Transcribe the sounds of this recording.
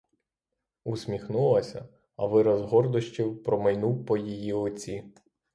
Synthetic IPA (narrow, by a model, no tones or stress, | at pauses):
usʲmʲixnulˠɐsʲɐ̰ | ɐʋɪɾɐzɦɔrd̪ɔʃt͡ʃʲɪwpɾɔmɐjnuwpɔjijiɔt͡sʲi